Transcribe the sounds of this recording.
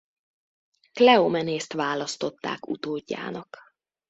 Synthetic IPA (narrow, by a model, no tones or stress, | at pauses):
klɛomɛneːst̪ʋaːlɒst̪o̞t̪ːa̰ːkṵt̪oːɟːa̰ːnɒk